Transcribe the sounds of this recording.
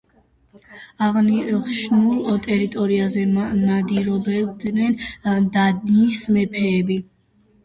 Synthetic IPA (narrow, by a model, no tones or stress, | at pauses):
aʁniʁʃnulˠɔt̪ʼɛɾit̪ʼɔɾiazɛnad̪iɾɔbɛd̪nɛnd̪ad̪iːsmɛpʰɛːbi